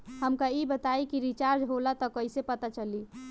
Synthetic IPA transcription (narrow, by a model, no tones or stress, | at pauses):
həmkaibət̪aikiɾit͡ʃaɾd͡ʒɦolat̪ɔkəisepət̪at͡ʃəli